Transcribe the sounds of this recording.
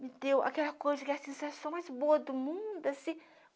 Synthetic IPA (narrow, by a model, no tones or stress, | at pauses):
mɪd̪ewa̰kɛlɐkojzɐkɪɐsẽsasɐ̃w̃majzboɐd̪ʊmũd̪ʊɐsĩ